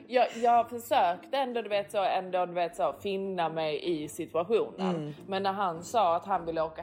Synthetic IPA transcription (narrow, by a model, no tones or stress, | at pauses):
jɑːjɑːɡɡfœʂøːkt̪əɛnd̪oːd̪ɵveːt̪soːɛnd̪oːd̪ɵveːt̪soːfɪnːamɛjʔɪsɪt̪ɵaɧuːnə̰nmɛnːæɾɦansɑːat̪ɦanvɪlːəoːka